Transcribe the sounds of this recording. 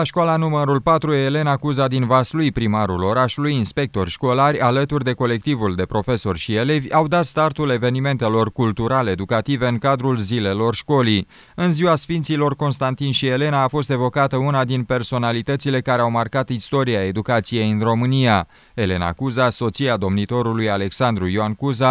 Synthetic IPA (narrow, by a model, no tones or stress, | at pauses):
laʃkwalanuməɾulpat̪ɾue̞le̞nakuzad̪invaslujpɾimaɾulo̞ɾaʃulujinspe̞k̚t̪o̞rʲʃko̞larʲalət̪urd̪e̞ko̞le̞k̚t̪ivuld̪e̞pɾo̞fe̞so̞rʲʃie̞le̞vʲawd̪at̪st̪art̪ule̞ve̞nime̞nt̪e̞lo̞rkult̪uɾaleed̪ukat̪ive̞ɨŋkad̪ɾulzile̞lo̞rʃko̞li | ɨnziwasfint̪silo̞rko̞nst̪ant̪inʃie̞le̞naːfo̞st̪e̞vo̞kat̪əunad̪inpe̞rso̞nalit̪ət̪sile̞kaɾe̞awmarkat̪ist̪o̞ɾiae̞d̪ukat̪sije̞jɨnro̞mɨnia | e̞le̞na̰kuzaso̞t̪siad̪o̞mnit̪o̞ɾulujale̞ksand̪ɾujoankuza